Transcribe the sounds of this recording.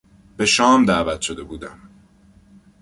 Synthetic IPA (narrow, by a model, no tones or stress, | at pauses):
b̥e̞ʃɒːmd̪æːvæt̪ʰʃo̞d̪e̞buːd̪æm